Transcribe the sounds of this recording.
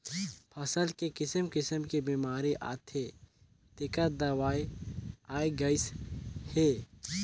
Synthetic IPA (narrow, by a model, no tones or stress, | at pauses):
pʰɐsəlkekɪsəmkɪsəmkebiːmaːɾiʔa̰ːt̪ʰe | t̪ɪkət̪̚d̪ɐwaːiaːiɡɐɪsheː